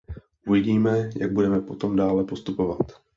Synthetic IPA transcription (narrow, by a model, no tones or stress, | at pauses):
ʔuvɪɟiːmɛjaɡ̚budɛmɛpo̞t̪o̞mdaːlɛpost̪upo̞vat̪